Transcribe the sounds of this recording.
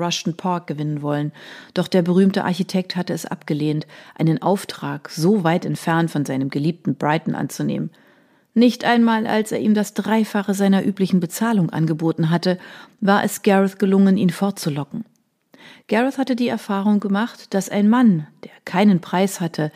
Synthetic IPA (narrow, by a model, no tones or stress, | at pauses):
ʁaʃn̩pʰaɐk̚ɡ̥əvɪnənvɔlənd̥ɔχd̥eːɐbəʁ̞yːmtəʔa̰ɐçitʰɛk̚thatəɛsʔa̰pɡ̥əleːntʔaɪnənʔaʊftʁ̥aːkz̥oːvaɪtɛntfɛɐntfɔnzaɪnəmɡəliːp̚tn̩bʁaɪtn̩ʔa̰nt͡sunḛːmən | nɪçtʔaɪnmaːlʔa̰lsḛːɐʔiːmdasd̥ʁaɪfaχəzaɪnɐʔyːplɪçn̩bət͡saːlʊŋʔa̰nɡəboːtn̩ɦatəvaːɐʔɛ̰sɡ̥ɛʁəθɡ̥əlʊŋənʔiːnfɔɐt̚t͡sulɔkŋ̩ | ɡ̥ɛʁɛθhatədiːɛɐfaːʁ̞ʊŋɡəmaχtd̥asaɪnmand̥eːɐkʰaɪnənpʁ̥aɪshatʰə